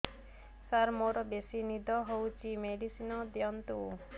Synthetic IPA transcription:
saɾmoɾɔbesinid̪ʱɔɦowt͡ʃʰimeɖisinɔd̪jɔnt̪u

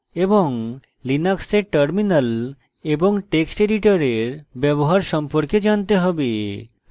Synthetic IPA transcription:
eboŋ | linakseʈəɾminal | eboŋʈeksʈeɖiʈaɾeɾbɛboɦaɾʃɔmpoɾked͡ʑant̪eɦɔbe

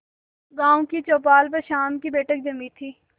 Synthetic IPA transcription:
ɡãːõkit͡ʃoːp̬aːlp̬ɐɾʃaːmkibeːʈək̚d͡ʒəmit̪ʰiː

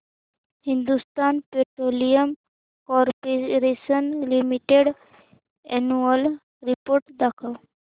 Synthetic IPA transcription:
hĩnd̪ust̪aːnpeʈɾoːlijəm | kɔːɾpeɾesənlimiʈeɖ | ɛnuəl | ɾipoːɾʈd̪akʰəʋ

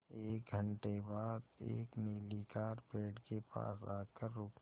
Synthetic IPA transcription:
eːk̚ɡʱəɳʈebaːd̪ḛːkneːlikaːɾpeːɖkepa̰ːsa̰ːkəɾːʊk

